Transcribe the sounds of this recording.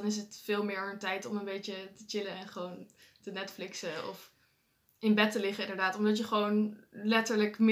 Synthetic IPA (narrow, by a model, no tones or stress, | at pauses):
nɪs̬ətfɪːlˠmɪːɹəntɛjtɔmənbejt͡ʃətət͡ʃɪləɛnχəʋown | tənɛtflɪksəɔ̰f | ɪnbɛtəlɪχəɪndəɹdaːtɔmdɑtjəχəʋownlɛtəɹləkm